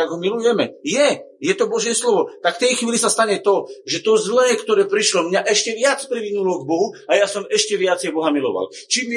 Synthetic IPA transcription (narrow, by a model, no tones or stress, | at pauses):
aɡɦɔmilujɛmɛjɛjɛt̪ɔbɔʒjɛslɔʋɔt̪akft̪ɛjxʋiːlisast̪aɲɛt̪ɔʒɛt̪ɔzlɛːkt̪ɔɾɛːpɾiʃlɔmɲaʔɛʃcɛʋɪat͡spɾiʋinulɔɡbɔɦuajasɔmɛʃcɛʋɪat͡sɛjbɔɦamilɔ̰ʋa̰lt͡ʃimː